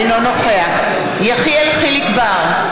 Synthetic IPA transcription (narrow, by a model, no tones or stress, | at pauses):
nonoχeaχ | jaχiɛlχilikbaʁ